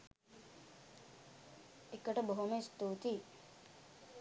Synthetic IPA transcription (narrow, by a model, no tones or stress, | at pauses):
ekːəʈəboɦuməist̪uːt̪i